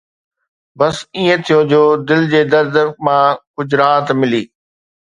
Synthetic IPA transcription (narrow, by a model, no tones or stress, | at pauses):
bɐsiːẽt̪ʰijod͡ʑoːd̪ɪld͡ʑeːd̪ɐɾd̪mãːkʊd͡ʑɾaːt̪mɪliː